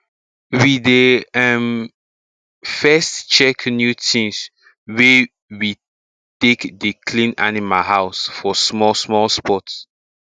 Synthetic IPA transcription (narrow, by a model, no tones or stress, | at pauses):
wideɛm | fɛstt͡ʃɛknjutʰĩŋs | we | wi | tekdekʰlĩnanimalɦaʊsfɔsmɔsmɔlspɔts